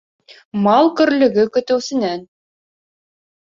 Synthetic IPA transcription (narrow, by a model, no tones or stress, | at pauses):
mɑlˠkɵ̆ɾlɘ̆ɡɘkɵ̆t̪ɘ̆wsɘ̆næn